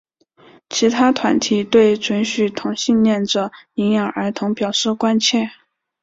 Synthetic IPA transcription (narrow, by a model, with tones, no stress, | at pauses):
t͡ɕʰi˧˥t̪ʰa˥t̪ʰwa˧˥nt̪ʰi˧˥t̪we˥˩ɪʈ͡ʂwə˧˥nɕy˥˩t̪ʰʊ˧˥ŋɕi˥˧nnjɛ˥˩nʈ͡ʂɤ˨˩i˧˥ŋjɑ˨˩˦ŋə˞˧˥t̪ʰʊ˧˥ŋpjɑ˨˩ʊʂɻ̩˥˩kwa˥nt͡ɕʰjɛ˥˩